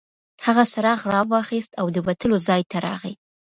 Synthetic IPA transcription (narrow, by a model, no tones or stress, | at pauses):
haɣasaɾɑɣɾɑwɑxist̪awd̪əwat̪əlozɑjt̪aɾɑ̰ɣi